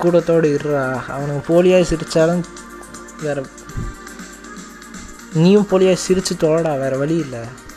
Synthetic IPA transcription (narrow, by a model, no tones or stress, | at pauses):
kuːʈːɐt̪ːoːɽɯɪɾaːɐ̰ʋɐnɐkːɯpoːlɪjaːsɪɾɯt͡ʃːaːlɐ | ʋeːɾɐ | niːjʊ̃mpoːlɪjaːsɪɾɯt͡ʃːɯt̪ɔlɐɽaːʋeːɾɐʋɐɭɪjɪlːɛ